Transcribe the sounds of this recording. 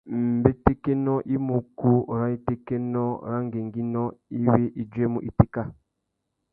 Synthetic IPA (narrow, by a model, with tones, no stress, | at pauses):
m̩˨be˦te˦ke˦nɔ˦ʔi˦mo˨ku˦˨ɾa˦i˦te˦ke˦nɔ˦˨ɾa˦ŋ˦ɡe˨ŋɡi˦nɔ˦i˦we˦ʔi˨d͡ʒwe˦mu˨ʔi˨ti˦ka˦